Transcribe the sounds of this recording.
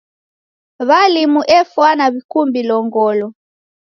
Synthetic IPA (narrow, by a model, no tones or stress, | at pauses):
βalimuʔɛfwanaβikumbilɔŋɡɔlɔ